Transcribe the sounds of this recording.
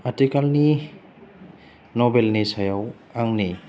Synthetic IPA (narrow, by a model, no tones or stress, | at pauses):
atikalni | nɔbelnisajaw | aŋni